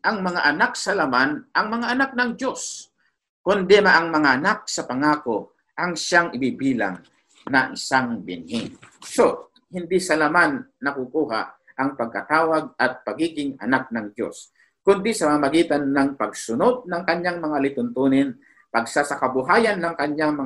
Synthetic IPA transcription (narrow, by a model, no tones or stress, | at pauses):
ʔɐŋmɐŋaʔɐnak̚sɐlamanʔɐŋmɐŋaʔɐnak̚nɐŋd͡ʒjos | kʊnd̪ɛmaʔɐŋmɐŋaʔɐnak̚sɐpɐŋaːko | ʔɐŋʃaŋʔɪbibiːla̰ŋ | nɐʔɪsaŋbɪ̰nhɪŋso | hɪnd̪isɐlamanːɐkukuːɦa̰ | ʔɐŋpɐɡ̚kɐt̪aːwɐɡ̚ɐt̪̚pɐɡiːɡɪŋɐ̰nak̚nɐŋd͡ʒo̞̰s | kʊnd̪isɐmamamɐɡiːt̪anːɐŋpɐɡsʊno̞d̪̚nɐŋkɐɲaŋmɐŋalɪt̪ʊnt̪unɪn | pɐɡ̚sasɐkɐbʊɦaːjanːɐŋkɐɲɲaŋmɐ